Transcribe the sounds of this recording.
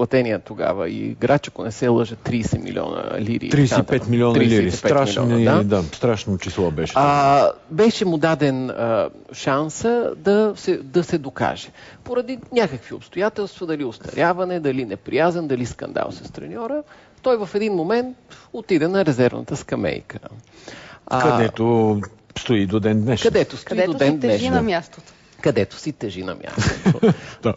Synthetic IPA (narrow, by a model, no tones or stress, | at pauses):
plˠɐt̪ɛniɛt̪oɡa̰və̰ḭɡɾat͡ʃɛ̥konɛsɛlˠɤʒət̪ɾiːsɛmḭlʲḭɔ̰nə̰liɾḭːɾisaɛpɛt̪miliɔnɾiliɾiiɛspɛɾamiliɔ̰d̪ad̪ast̪ɾaʃnot͡ʃislˠɔbɛʃabɛʃɛmʊd̪ad̪ɛnə | ʃansəd̪ɐsɛd̪ɐsɛd̪oka̰ʒɛ̥poɾɐd̪inʲakəkvio̰pst̪ojat̪ɛlˠst̪vɐd̪ɐliost̪ɐ̰ɾʲjavɐnɛd̪ɐlinɛpɾḭjazɛnd̪ɐliskɐ̰nd̪a̰lˠsɐst̪ɾɛ̰nʲɔɾə | t̪ɔjvɐfɛd̪inmomɛnt̪ot̪id̪ɛnɐɾɛzɛɾvnə̰t̪əskɐmɛ̰jkə | kɐd̪ɛt̪o | st̪oid̪od̪ɛnd̪nɛʃkɐd̪ɛt̪ost̪id̪oɛnd̪nɛʃnɐmʲjast̪ot̪o̥ | kɐd̪ɛt̪o̥sit̪ɛʒinɐ̰mʲja̰st̪od̪